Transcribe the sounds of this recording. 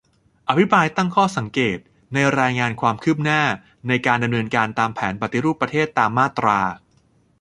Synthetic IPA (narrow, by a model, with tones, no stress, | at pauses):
ʔa˧˩pʰi˦˥pɾaː˧jt̪a˥˩ŋkʰɔː˥˩sa˩˦ŋkeː˨˩t̪̚ | na˧jɾaː˧jŋaː˧nkʰwaː˧mkʰɯː˥˩p̚naː˥˩ | na˧jkaː˧nda˧mnɤː˧nkaː˧nt̪aː˧mpʰɛː˩˦npa˨˩t̪ːi˦ɾuː˥˩pːɾa˧t̪ʰeː˥˩t̪ːaː˧mːaː˥˩t̪ɾaː˧